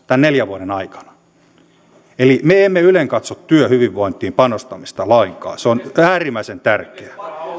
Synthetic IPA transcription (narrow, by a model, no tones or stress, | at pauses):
t̪ænneljæʋuoɾenɑikɑ̥nɑ̥ | elimeemːeyleŋkɑt̪sot̪tyøhyʋiʋʋoint̪iːmpɑnost̪ɑmist̪ɑlɑiŋkɑ̰ːseonæːrimˑæisent̪ærkeæ